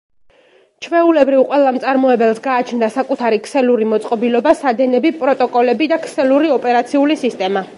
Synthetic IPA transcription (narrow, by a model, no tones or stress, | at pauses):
t͡ʃʰvɛulɛbɾivqʼwɛlˠamt̪sʼaɾmɔɛbɛlˠsɡaːt͡ʃʰnd̪asakʼut̪ʰaɾikʰsɛluɾimɔt̪sʼqʼɔbilɔbasad̪ɛnɛbipʼɾɔt̪ʼɔkʼɔlɛbid̪akʰsɛluɾiɔpʼɛɾat̪sʰiulisist̪ʼɛma